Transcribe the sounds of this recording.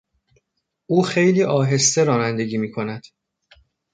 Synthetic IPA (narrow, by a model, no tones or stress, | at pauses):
ʔuːxejliːʔɒːɦe̞st̪e̞ɾɒːnænd̪e̞ɡiːmiːkʰo̞næd̪̥